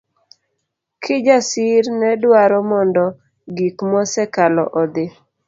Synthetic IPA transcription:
kʰɪd͡ʒasɪɾnɛdwaɾɔmɔndɔ | ɡikmɔsɛkalɔʔɔd̪ɪ

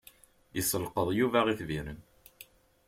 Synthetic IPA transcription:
isəlqəðˤjuvæʁiθviɾən

